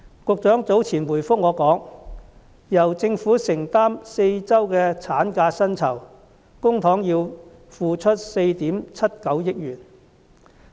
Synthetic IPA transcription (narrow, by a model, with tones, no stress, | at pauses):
kʊ˨˧k̚t͡sœː˨˥ŋt͡so˨˥wt͡sʰiː˨˩nwuː˨˩jfʊ˥k̚ŋɔː˨˧kɔː˨˥ŋ | jɐ˨˩wt͡sɪ˧ŋfuː˨˥sɪ˨˩ŋt̪aː˥mse˧jt͡sɐ˥wkɛː˧t͡sʰaː˨˥nkaː˧sɐ˥nt͡sʰɐ˨˩w | kʊ˥ŋt̪ʰɔː˨˥ŋjiː˧w | fuː˧t͡ʃʰɵ˥t̚se˧jt̪iː˨˥mt͡sʰɐ˥t̚kɐ˨˥wjɪ˥k̚jyː˨˩n